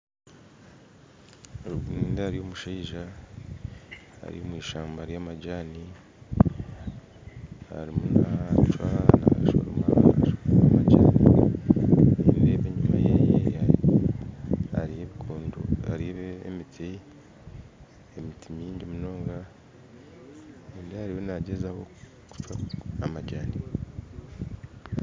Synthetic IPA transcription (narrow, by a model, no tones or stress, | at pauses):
oɾuɡiniːndaaɾijo̞muʃaiʒa | a̰ɾḭjomwiːʃaːmbaɾjamaɟaːni | ha̰ɾimunat͡ʃwanaʃo̰ɾomaʃoamaɟaːni | neβiβeːβeɲumajejeai | haɾijeβikʰoːndoaɾiβeːmitʰi | emitimiːɲɟimuno̞ːŋɡa | eːndihaɾiwonaɟezawo | ku̥t͡ʃwaamaɟaːni